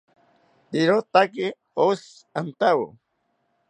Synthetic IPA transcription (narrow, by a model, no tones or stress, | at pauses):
t̪iɾot̪aki | os | ant̪awṵ